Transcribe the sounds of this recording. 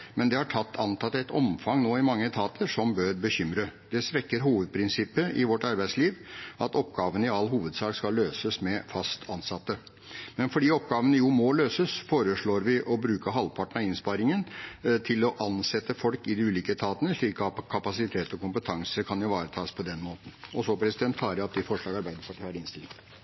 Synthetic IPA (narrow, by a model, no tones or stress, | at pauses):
mɛnd̪ɛhɑʈʰɑt̪ːɑnt̪ʰɑt̪ːɛt̪ʰɔ̰mfɑŋnoːɪmɑŋːət̪ʰɑːt̪ʰəʂɔmbøɾbəçʏmɾəd̪̥ɛsʋɛkːəɾɦuːʋəd̪̚pʰɾɪnsɪpːəʔɪʋɔʈːɑɾbæɪsliːʋʔɑt̪ɔpɡɑːʋənəɪɑlːɦuːʋəd̪sɑːkskɑlːøːsəsmɛfɑst̪ʰɑnsɑt̪ːə | mɛnfɔɖiːɔp̚ɡɑːʋənəjʊmɔløːsəsfoːɾəʂɭoːɾʋɪʔɔbɾʉːkəɦɑlpʰɑʈəɳ̩ɑɪnspɑɾɪŋənt̪ʰɪlɔʔɑnsɛt̪ːəfɔlkɪd̪ɪʉːliːkət̪ʰɑːt̪ənəʂɭiːkɑkʰɑpɑsɪt̪ʰeːt̪ɔkʰʊmpət̪ʰɑŋsəkʰɑnjʊʋɑːɾət̪ʰɑːspʰɔd̪ɛnmoːt̪n̩ɔsɔpʰɾɛsɪd̪ɛnt̪fʰɑːɾɑpd̪ɪfɔʂɭɑːɡɑɾbæɪd̪əpʰɑʈʰiːæɾɪnst̪ɪlɪ̰ŋ